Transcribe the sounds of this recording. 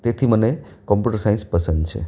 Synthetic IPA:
t̪et̪ʰimənekɔmpjuʈəɾsaĩnspəsənd̪t͡ʃʰḛ

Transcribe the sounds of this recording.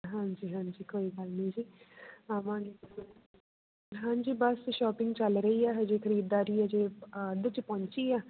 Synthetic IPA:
ɦãːɲd͡ʒiːɦãːɲd͡ʒiːkoːiːɡəlnĩːd͡ʒiːamãːɡe | ɦãːɲd͡ʒiːbəsʃɔːpɪ̃ŋɡt͡ʃəlɾəiːaːɦd͡ʒeːkʰəɾiːd̪ːaːɾiːɛd͡ʒeːd̪ət͡ʃpɔ̃ːɲt͡ʃiːaː

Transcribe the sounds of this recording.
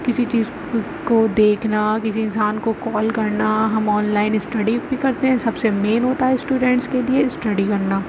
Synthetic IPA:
kɪsit͡ʃiːz | kod̪eːkʰnakɪs̬iɪ̃nsaːnkokɔːlkɐɾnaɦɐmɔːnlaːɪnɪsʈɐɖibʱikɐɾt̪eɦɛ̃sɐbsemeːnɦoːt̪aɦɛsʈuːɖɛ̃ɳʈskeliesʈɐɖikɐɾnaː

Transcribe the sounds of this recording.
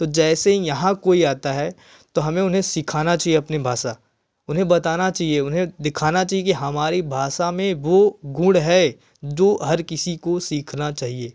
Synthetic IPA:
t̪od͡ʒɛːsejɐɦãkoːiaːt̪aɦɛ | t̪oɦɐmẽʊnɦẽsɪkʰaːnat͡ʃaːɦieɐpnebʱaːʃa | ʊnɦẽbɐt̪aːnat͡ʃaːɦieʊnɦẽd̪ɪkʰaːnat͡ʃaːɦiekiɦɐmaːɾibʱaːʃamẽʋoɡʊ̃ɽɦɛ | d͡ʒoːɦɐɾkɪsikosiːkʰnat͡ʃaːɦieː

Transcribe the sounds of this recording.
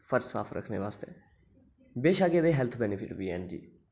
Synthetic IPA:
pʰəɾd͡ʒsa̰ːfʰɾə̰kʰnḛːʋaːst̪ḛː | beːʃaːɡeːd̪eːɦɛlt̪ʰbɛːnɪpʰɪʈʋiːɛ̰ːnd͡ʒḭː

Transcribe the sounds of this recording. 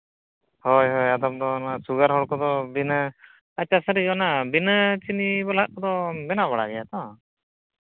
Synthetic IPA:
hɔjɦɔjad̪ɔp̚d̪ɔnasuɡaɾɦɔɽkɔd̪ɔbinə | at͡ʃasəɾid͡ʒɔnabinət͡ʃinibalaʔkɔd̪ɔbɛnaβaɽa̰ɡɛjat̪ɔ

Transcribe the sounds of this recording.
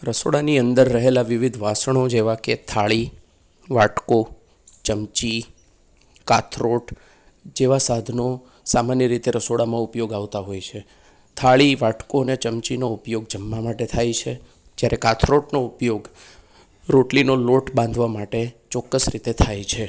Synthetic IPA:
ɾəsoɽaniənd̪əɾːəɦelaʋɪʋid̪ʱʋasəɳ̃od͡ʒeʋaket̪ʰaɭi | ʋaʈko | t͡ʃəmt͡ʃi | kat̪ʰɾoʈ | d͡ʒeʋasad̪ʱno | samanjəɾit̪eɾəsoɽamãupjoɡaʋt̪aɦojt͡ʃʰe | t̪ʰaɭiʋaʈkoənet͡ʃəmt͡ʃinoupjoɡd͡ʒəmːamaʈet̪ʰajt͡ʃʰe | d͡ʒjaɾekat̪ʰɾoʈnoupjoɡ | ɾoʈlinoloʈbãnd̪ʱʋamaʈet͡ʃɔkːəsɾit̪et̪ʰajt͡ʃʰe

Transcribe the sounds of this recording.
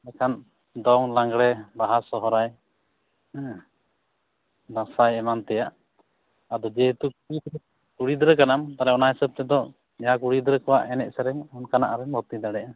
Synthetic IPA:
nɛkʰan | d̪ɔŋlaŋɡɽɛbaɦasɔɦɔɾaj | d̪ãsajɛmant̪ɛjaʔ | ad̪ɔd͡ʒɛɦt̪ukuɽid̪ɾ | kuɽid̪ɾəkanamt̪aɾɛɔnaɦɛsəb̚t̪ɛd̪ɔ | ɛjakuɽid̪ɾəkɔwa̰ʔɛnɛ̰ʔ̚sɛɾɛŋɔnkana̰ʔaɾɛŋbɔt̪id̪aɽɛʔa

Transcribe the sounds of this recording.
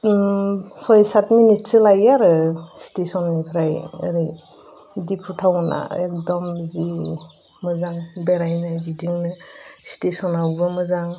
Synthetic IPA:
sɔjsatminitsɯlajaɾɯstesɔnːipʰɾajɯ̰ɾi | dipʰutʰawna̰ek̚dɔmzi | mɯzaŋbeɾajnaɡidiŋnɯstesɔnawbɯmɯzaŋ

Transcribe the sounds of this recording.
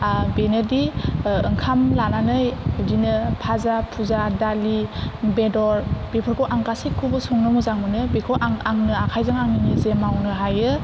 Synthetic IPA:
benɯdiɯŋkʰamlananɯjdinɯpʰazapʰuzadalibedɔɾb̥epʰɯɾkʰɔʔaŋkasikʰːubɯsuŋnɯmuzaŋmɯnɯbekʰowʔaŋaŋnɯakʰajzɯŋaŋnɯnizemawnɯɦajɯ

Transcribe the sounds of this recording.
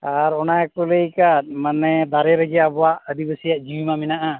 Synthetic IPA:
aɾɔnajkɔlejkat̪̚ˀmanɛd̪aɾɛɾəɡɛabɔwaʔəd̪ibəsijaʔd͡ʒiwimamɛnaʔa

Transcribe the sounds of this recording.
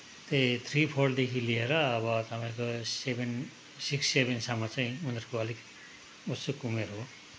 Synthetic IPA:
t̪et̪ʰɾipʰorɖd̪ekʰilieɾʌːbʌt̪ʌpãĩkoseben | siksːebensamʌt͡saĩunʌɾkoʌlik | usokumeɾoɦo

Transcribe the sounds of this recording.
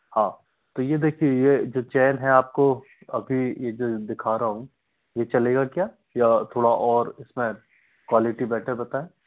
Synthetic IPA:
hãː | t̪ojed̪eːkʰiejed͡ʒoːt͡ʃɛːnɦɛ̃aːp̚ko | ɐbʱijed͡ʒoːd̪ɪkʰaːɾaɦũ | jet͡ʃɐleːɡakjaː | jat̪ʰoːɽaʔɔːɾɪsmẽ | kwaːlɪʈibɛːʈʰəɾbɐt̪aːẽː

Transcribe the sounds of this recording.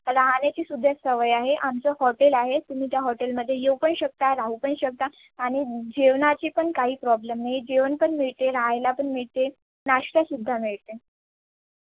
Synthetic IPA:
ɾaɦanjat͡ɕiːsud̪ʱːjasəʋəjaɦeʔamt͡səhɔʈelaɦet̪um̤iːt̪jaɦɔʈelməd̪ʱːjejewpəɳɕək̚t̪aɾaɦupəɳɕək̚t̪aː | ɽ̃id͡ʑiʋnat͡ɕiːpəɳkaɦiːpɾɔblemnajd͡ʑeʋənpəɳmiɭt̪eɾaɦjlapəɳmiɭt̪e | naɕʈasud̪ʱːamiɭt̪e

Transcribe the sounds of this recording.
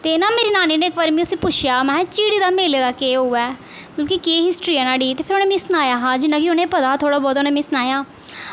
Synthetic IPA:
t̪eːnãːmeːɾiːnaːniːneːkbaːɾmĩːʊsĩːpʊt͡ʃʰjaːmɛ̃ːt͡ʃiːɽiːd̪aːmeːleːd̪aːkeːɦoːɛː | kõːkikeːɦɪsʈɾiːɛːnaːɽiːt̪eːpʰɪɾonẽːmẽːsnaːjaːɦãːd͡ʒɪnãːkiʊnẽːpəd̪aːt̪ʰoːɽaːbɔːt̪ʊneːmẽːsnaːjaː

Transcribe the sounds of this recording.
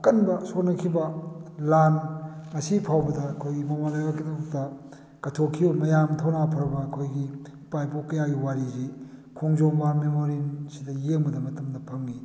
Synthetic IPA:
kɐnbɐsot̚nɐkʰibɐlanŋɐsipʰawbɐdɐːkʰojɡimɐmalɐɡakdk̚tɐ | ɡ̥ɐtʰokʰibɐmɐjamtʰawnapʰɐɾɐbɐːkʰojɡi | pajpokɐjaɡiwaɾizikʰoŋzoŋbamemoɾinsidɐjeŋbɐdɐmɐtɐmdɐpʰɐŋɡi

